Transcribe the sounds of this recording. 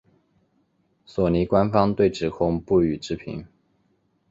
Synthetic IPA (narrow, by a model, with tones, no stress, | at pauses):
swɔ˨˩ni˧˥kwa˥nfɑ˥ŋt̪we˥˩ɪʈ͡ʂɻ̩˨˩kʰʊ˥ŋpu˥˩y˨˩ʈ͡ʂɻ̩˥pʰḭ˧˥˦ŋ